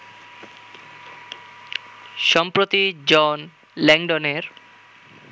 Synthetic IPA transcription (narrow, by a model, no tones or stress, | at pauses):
ʃɔmpɾot̪id͡ʑɔn | lɛŋɖoneɾ